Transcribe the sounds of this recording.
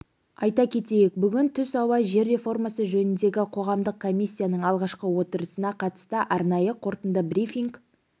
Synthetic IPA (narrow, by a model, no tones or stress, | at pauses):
ɑjt̪ɑkʲʰe̞t̪e̞jek̚bʏɡʲɪnt̪ʰʏsɑwɑʒe̞ɾːe̞fo̞rmɑsəʒɵnɪnd̪e̞ɡʲɪqʰo̞ʁɑmd̪əq̚kʰo̞mʲːisʲːijanəɴɑlˠʁɑʃqəwo̞t̪əɾəsənɑqʰɑt̪ə̥st̪əʔɑɾnɑjəqʰo̞ɾt̪ənd̪əbrifʲiŋk